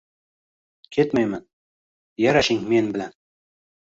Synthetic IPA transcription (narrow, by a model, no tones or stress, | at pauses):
kʲʰe̞t̪majman | jaɾaʃɪŋme̞nbɪlan